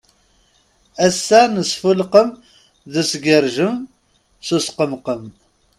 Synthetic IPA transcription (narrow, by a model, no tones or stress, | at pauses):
æsːænəsfulqəm | ðəsɡəɾʒəm | susqəmqəm